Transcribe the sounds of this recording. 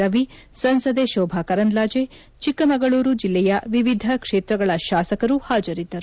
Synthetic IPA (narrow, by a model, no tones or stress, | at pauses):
ɐʋi | sɐnsɐd̪eʃɔːbʱakɐɾɐnd̪laːd͡ʒe | t͡ʃikːɐmɐɡɐɭuːɾud͡ʒilːɛjɐʋiʋid̪ʱɐkʂeːt̪ɾɐɡɐɭɐʃaːsɐkɐɾuhaːd͡ʒɐɾid̪ːɐɾu